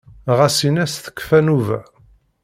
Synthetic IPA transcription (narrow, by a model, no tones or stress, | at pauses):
ʁæsinæsθə̥kːfænuvæ̰